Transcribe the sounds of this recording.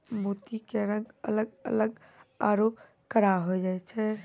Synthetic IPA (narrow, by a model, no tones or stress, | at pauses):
bʱuːt̪ikeɾə̃ŋɡə̰ləɡə̰ləɡ | aːɾoːp | kəɾaɦod͡ʒaːet͡ʃʰɛ